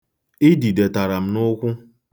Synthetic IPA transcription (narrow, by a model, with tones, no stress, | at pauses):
ɪ˦di˨de˨ta˨ɾa˨m̩˦nʊ˦kʷʊ˦